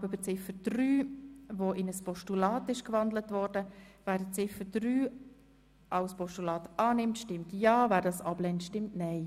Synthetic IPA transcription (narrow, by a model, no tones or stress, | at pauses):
bybət͡sɪfəd̥ryːvoʔɪnəspɔʃtulɑːtɪʃkvɑndlətvɔɾdəvæːɾdət͡sɪfəd̥ryː | ʔaʊspɔʃtulɑːtʔɑːnɪmtʃtɪmtjɑːvæːɾdɑːsɑblɛntʃtɪmtnɛɪ